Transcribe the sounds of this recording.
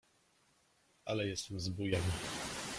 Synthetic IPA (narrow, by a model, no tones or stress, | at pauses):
alɛjɛst̪ɛmzbujɛnʲ